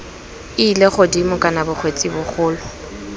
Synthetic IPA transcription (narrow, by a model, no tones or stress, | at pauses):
ɪleχodimʊkʼanabʊχʰwet͡sʼɪbʊχʊːlɔ